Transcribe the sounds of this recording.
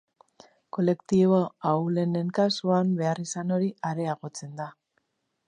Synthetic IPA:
ko̞le̞kt̪iβoawle̞ne̞ŋkasuambe̞arisano̞ɾiaɾe̞aɣo̞t͡se̞nd̪a

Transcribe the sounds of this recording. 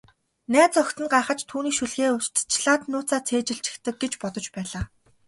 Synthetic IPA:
næːt͡sœkʲt̪ɘ̆nɢaːχə̆t͡ɕt̪ʰuːniːkʃɵɮɣeːʊst̪t͡ɕʰɮaːt̪nʊːt͡saːt͡sʰeːt͡ɕɪ̆ɬt͡ɕɪ̥̆kt̪ə̆k̚ɡet͡ɕpɔt̪ɞ̆t͡ɕpæːɮaː

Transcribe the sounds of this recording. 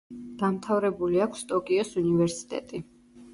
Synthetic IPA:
d̪̥amt̪ʰavɾɛbuliakʷʰst̪ʼɔkʼiɔsunivɛɾsi̥t̪ʼɛ̰t̪ʼi

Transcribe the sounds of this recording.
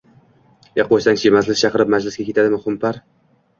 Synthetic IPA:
jɑq̚bojsaŋt͡ʃʰjemaslɪsʲt͡ʃʰɑqɨɾɪp̚mad͡ʒlɪsɡʲakʲe̞t̪ʰad̪ɪmɪχʊmpaɾ

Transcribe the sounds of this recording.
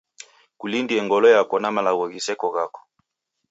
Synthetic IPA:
kulindiɛŋɡɔlɔjakɔnamalaɣɔɣisɛkɔɣakɔ̥

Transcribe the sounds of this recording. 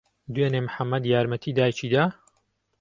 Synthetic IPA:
d̪uwenemħamːɐd̪jaːɾmɐt̪ʰiːd̪aːjt͡ʃiːd̪aː

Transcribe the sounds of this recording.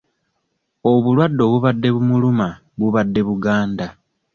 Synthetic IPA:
oβulwadːo̞βuβadːe̞βumuluma | βuβadːe̞βuɡaːnda

